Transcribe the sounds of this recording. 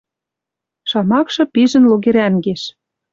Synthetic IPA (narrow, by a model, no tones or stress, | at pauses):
ʃɑmɑkʃɤ̆piʒə̆nloɣeɾænɡeʃ